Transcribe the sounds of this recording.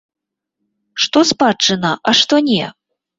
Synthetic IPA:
ʂt̪ɔspat͡ʂːɨnɐʔɐʂt̪ɔnʲɛ

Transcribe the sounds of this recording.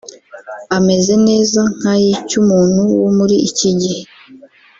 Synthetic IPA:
ame̞ze̞ne̞ːzaŋ̥hajiːcumuːn̥huwomuɾiiciɟihe

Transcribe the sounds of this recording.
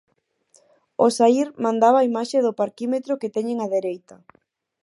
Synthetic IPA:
osaiɾmãnd̪aβaːimaʃeðʊpaɾkimet̪ɾʊket̪ɛɲeŋaðeɾejt̪ɐ

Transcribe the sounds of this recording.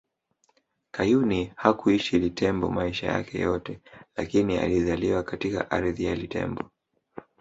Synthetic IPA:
kajunihakuiʃilitʰɛmbɔ̰maiʃaja̰kɛ̰jɔtɛlakinia̰lizaliwakatika̰ʔaɾðijalitɛ̰mbɔ

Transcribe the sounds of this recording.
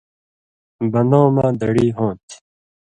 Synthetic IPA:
bɐnõːmãːd̪ɐɽiːɦõːt̪ʰi̥

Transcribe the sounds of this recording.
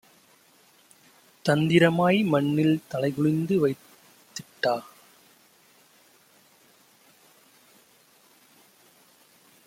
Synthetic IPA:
t̪ɐnd̪ɪɾɐmaːjmɐɳːɪlt̪ɐlɐɪɣɯɭɪnd̪ɯʋɐɪt̪ː | ɪʈːaː

